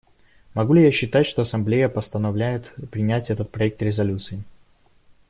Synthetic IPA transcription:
mɐɡulʲɪjaɕːɪt̪atʲʂt̪oɐsɐmblʲejəpəst̪ənɐvlʲæjɪt̪pɾʲɪnʲætʲɛt̪ət̪̚pɾɐɛk̚t̪ɾʲɪzɐlʲut̪sɨɪ

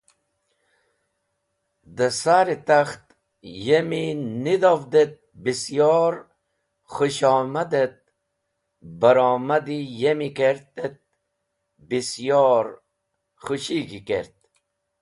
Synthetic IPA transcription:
d̪əsaɾit̪axt̪ | jeminid̪ovd̪et̪̚bisjɔɾ | χuɕɔːmad̪et̪̚ | bəɾɔːmad̪ijemikeɾt̪et̪̚ | bisjɔɾ | χuɕiɡikeɾt̪̚

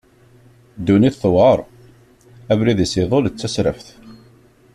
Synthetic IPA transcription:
d̪ːuniθθwəɾˤ | ævɾiðisiðˤolt͡sːæsɾəfθ

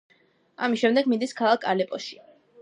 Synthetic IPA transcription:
a̰misʃɛmd̪ɛɡmind̪iskʰalˠakʰalɛpʼɔʃi̥

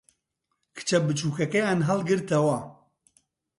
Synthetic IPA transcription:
kʰɨ̥t͡ʃʰɐbɨt͡ʃʰuːkʰɐkɛjanɦɐlɡɨɾt̪ɐwa

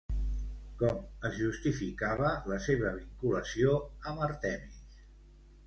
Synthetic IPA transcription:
kɔməzʒust̪ifikaβələseβəβiŋkuləsioəməɾt̪ɛmis

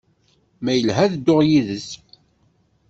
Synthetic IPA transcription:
mæjəlɦæðd̪ːoʁjiðəs

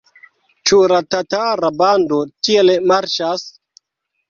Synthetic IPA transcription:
t͡ʃuɾatataɾabandotielmaɾt͡ʃas

